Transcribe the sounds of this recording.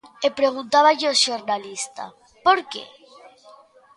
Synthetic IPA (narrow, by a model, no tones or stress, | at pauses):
epɾeɣ̞unt̪aβaʎɪoʃoɾnalist̪a̰ | poɾkḛ